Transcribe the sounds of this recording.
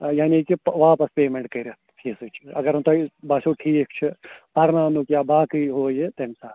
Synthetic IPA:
jaːnikipʋaːpɐspeːmeɳʈ̚kɐɾʲa | ʈʰiːsɨt͡ʃʰiɐɡɐɾunt̪obɐsoːʈʰiːkt͡ʃʰipɐɾnaːnukjaːbaːkiɦoːjet̪ɐmsaː

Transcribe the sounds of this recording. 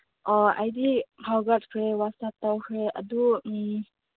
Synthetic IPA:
ʔɔa̰jdihʰawɡat̚kʰɾewasat̪awkʰɾeʔa̰dumi

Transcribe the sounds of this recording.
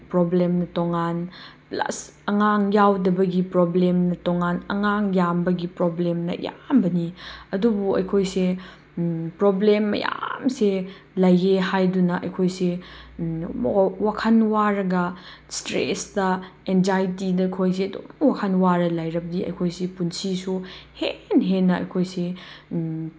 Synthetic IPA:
pɾoblemnɐtoŋan | plɐ̰s | ɐŋaŋjawdɐbɐɡipɾoblemnɐtoŋanɐŋaŋjambɐɡipɾoblemnɐ̰ja̰mbɐniɐdubuɐ̰jkʰojse | pɾoblemːɐ̰ja̰mse | lɐjeɦajdunɐʔɐ̰jkʰojse | wakʰɐnwaɾɐɡɐ | stɾḛstɐenzajtidɐjkʰojs̬eɐdo̰mwakʰɐnwaɾɐlajɾɐbɐdiɐ̰jkʰojsepunsisuhenɦenːɐɐ̰jkʰojse

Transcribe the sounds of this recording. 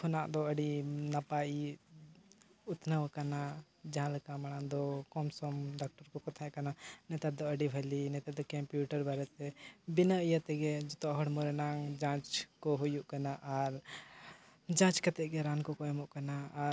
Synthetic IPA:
kʰɔnaʔd̪ɔəɖinapai | ut̪nəwəkana | d͡ʒãlkamaɽ̃and̪ɔkɔmsɔmɖak̚ʈaɾkɔkɔt̪ʰaɛkananɛt̪aɾd̪ɔəɖibʱəlinɛt̪ad̪ɔkɛmpjuʈəɾbaɾɛt̪ɛbinəijət̪ɛɡɛd͡ʒɔt̪ɔɦɔɽmɔɾɛnaŋd͡ʒãt͡ʃkɔɦujuʔkanaʔaɾ | d͡ʒãt͡ʃkat̪ɛʔɡɛɾankɔkɔɛmɔʔkanaː

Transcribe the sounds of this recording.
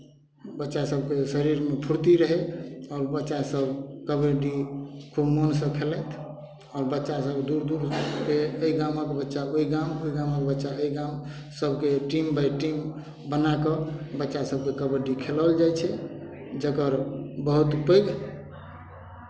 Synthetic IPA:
bətːʃasəb̚ʱkesəɾiɾmepʰuɾt̪iɾəɦɛɔːɾbətːʃasəbʱkəbəɖikʰubmonsə̃kʰeləjt̪ʰ | ɔːɾbətːʃasəbd̪uɾd̪uɾkeəiɡaməkebətːʃaoiɡamoiɡaməkebətːʃaəiɡam | səbʱkeʈimbʱajʈim | bənakəbətːʃasəb̚ʱkekəbəɖikʰeləld͡ʒajt͡ʃʰɛ | d͡ʒəkəɾbəɦut̪upəjɡ

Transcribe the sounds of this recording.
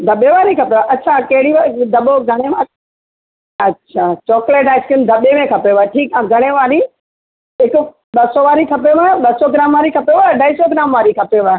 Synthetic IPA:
d̪ʱɐɓeʋaːɾikʰɐpeʋaʔɐtːt͡ɕʰakɐɦɪɽiʋad̪ɐɓoɡʱɐɽ̃ema | ɐtːɕʰaːt͡ɕɔːkleːʈaːɪskɪnd̪ʱɐɓemẽkʰɐpeʋaːeʈʰiːkãːɡʱɐɽ̃eʋaːɾi | ɦɪkʊ | ɓɐsoʋaːɾikʰɐp̬eʋaːɓɐsɔɡɪɾaːmʋaːɾikʰɐpeʋaːɖaːɪsoɡɪɾaːmʋaːɾikʰɐpeʋaːe

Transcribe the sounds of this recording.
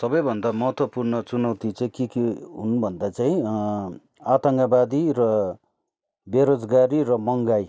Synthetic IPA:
sʌbʌjbʱʌnd̪amʌɦʌt̪ʰwʌpurnʌt͡sunawt̪it͡saĩkikiɦṵnbʱʌnd̪at͡saĩ | at̪ʌŋɡabad̪irʌ | beɾod͡zɡaɾirʌmʌŋɡaj

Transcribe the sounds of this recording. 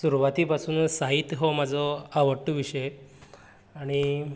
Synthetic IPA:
suɾuʋat̪iːpasuːnsaɦit̪ɦɔm̤ad͡zʱɔaʋəʈːuʋiʂəj | aɽ̃i

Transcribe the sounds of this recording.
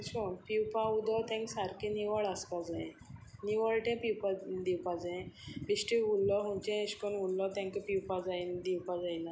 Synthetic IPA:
ɕonpiwpaud̪ɔt̪ʰɛ̃ŋksaɾkʰeniʋəɭaspad͡zaẽ | niʋəɭʈɛ̃piwpad̪iwpad͡zaẽpisʈiulːɔɦunt͡ɕɛ̃eɕkɔnulːɔt̪ɛ̃ŋkpiwpad͡zaend̪iwpad͡zajna

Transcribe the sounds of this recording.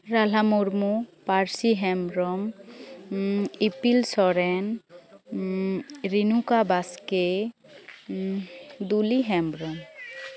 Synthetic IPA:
ɾalamuɾmupaɾsiɦɛmɾɔm | ipilsɔɾɛn | ɾinukabaske | d̪uliɦɛmbɾɔm

